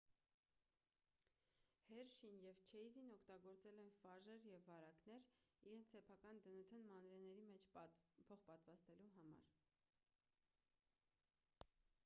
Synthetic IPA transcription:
hɛɾʃinjɛvt͡ʃʰɛjzinɔkʰt̪ɑɡɔɾt͡sɛlɛnfɑʒɛɾjɛvːɑɾɑknɛɾiɾɛnt͡s̪ʰsɛpʰɑkɑnd̪ənət̪ʰənmɑnɾɛnɛɾimɛt͡ʃʰpʰɔχpɑt̪vɑst̪ɛluɦɑmɑ̰ɾ

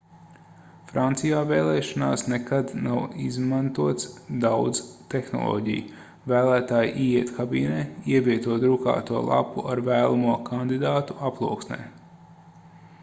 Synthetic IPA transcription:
fɾant̪sijaːvɛːlˠɛːʃana̰ːsnɛkad̪nawizmant̪uɔt̪sd̪awd̪zt̪ɛxnɔ̰lˠɔ̰ːɟḭj | væːlˠæːt̪aːjʔiːjiɛt̪kʰabḭːnɛːiɛviɛt̪uɔɾuka̰ːt̪uɔlˠa̰pːuʔaɾvæːlˠamuɔkʰand̪id̪aːt̪uaplˠuɔksnɛ̰ː

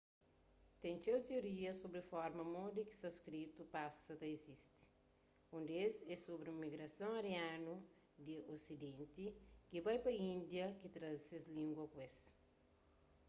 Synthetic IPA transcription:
t̪ɛ̃nt͡ʃewt̪eoɾiɐsobɾefɔɾmɐmod̪iki̥st̪askɾit̪upasɐt̪ɐezist̪i̥ | ũnd̪esɛsobɾũmiɡɾɐsɐ̃ŋɐɾjanu | d̪iʔosid̪ẽnt̪ikibajpɐĩnd̪jɐkit̪ɾɐsezlĩŋɡwɐkwes

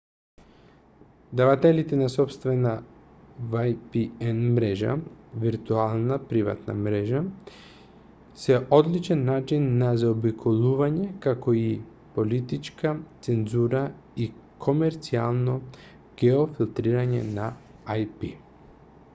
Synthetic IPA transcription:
d̪avat̪ɛlit̪ɛnasɔpst̪vɛna | vajpiɛnmɾɛʒa̰viɾt̪ualˠnapɾiva̰t̪na̰mɾɛʒa | sɛʔod̪lit͡ʃɛnːat͡ʃinːazaɔbikʰolˠuvaɲɛkakoi | polit̪it͡ʃkat̪sɛnzuɾa | i | kʰomɛɾt̪sia̰lˠno | ɡ̥ɛofilˠt̪ɾiɾaɲɛ̰na | ajpi

